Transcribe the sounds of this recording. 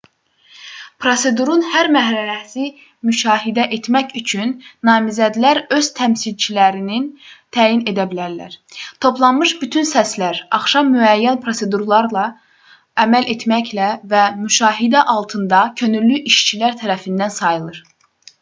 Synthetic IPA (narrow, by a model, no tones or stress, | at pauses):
pʰɾo̞se̞d̪uɾunhæɾmæɦɾæɾæsi | myʃɑːɦid̪æʔet̪mæçyt͡ʃʰynːɑːmizæd̪læɾø̞z̥t̪ʰæmsilt͡ʃʰilæɾinint̪ʰæːjine̞d̪æbilæɾlæ̰ɾt̪ʰo̞plˠɑnmɯʃbyt̪ʰynsæslæɾɑχʃɑmːyæjːænpʰɾo̞se̞d̪uɾlˠɑɾlˠɑ | æmæle̞t̪ʰmæclævæmyʃɑːɦid̪æʔɑlˠt̪ʰɯnd̪ɑcʰø̞nylːyʔiʃt͡ʃʰilæɾt̪ʰæɾæfind̪ænsɑjɯlˠɯɾ̥